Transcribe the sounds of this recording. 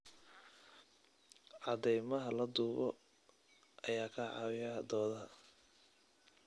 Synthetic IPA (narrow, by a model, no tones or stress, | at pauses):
ʕɑd̪ɛjmɐɦɐlɐd̪uːβɔ | ʔɐjaːkʰɐʕɑ̰wɪjɐd̪ɔːðɐɦɐ